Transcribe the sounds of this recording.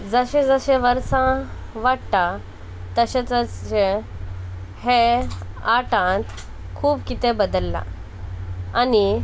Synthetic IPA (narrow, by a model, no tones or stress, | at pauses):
d͡zəɕẽd͡zəɕẽʋəɾsã | ʋaɽt̪a | t̪əɕet͡səɕẽ | he | aʈãt̪ | kʰuːbkit̪ebəd̪əlːa̰ | ani